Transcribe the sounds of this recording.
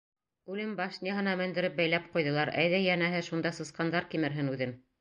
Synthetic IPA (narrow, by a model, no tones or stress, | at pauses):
ʉlɘmbɑʃnʲeɦɤ̆nɑmæ̆nd̪ɘ̆ɾɘp̚bæjlæp̚qujðɤ̆lˠɑɾæjðæjænæɦɘʃund̪ɑsɤ̆sqɑnd̪ɑɾkimɘ̆ɾɦɘnʉðɘn